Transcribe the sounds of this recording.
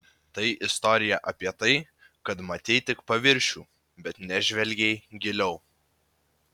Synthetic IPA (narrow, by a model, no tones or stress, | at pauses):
t̪ɐɪʔɪst̪ɔːɾʲɪjɛʔɐpʲiɛt̪ɐɪ | kɐt̪mɐt̪ʲɛɪt̪ʲɪkpɐʋʲɪɾʲʃʲuː | bʲɛt̪nʲɛʒʲʋʲɛlʲɡʲɛɪɡʲɪlʲɛʊ